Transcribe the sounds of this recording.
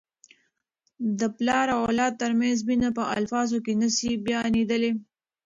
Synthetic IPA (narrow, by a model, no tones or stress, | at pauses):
d̪əplɑɾawalɑd̪̚t̪əɾmɛnzbinapəa̰lfɑzokenasibjɑnid̪əle